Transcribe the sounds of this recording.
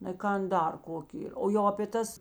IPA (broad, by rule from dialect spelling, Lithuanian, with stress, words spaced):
nɐɪ ˈkɐn ˈdɐr ˈkoːkʲɪ oː jɛʊ ɐpʲeː ˈtɐs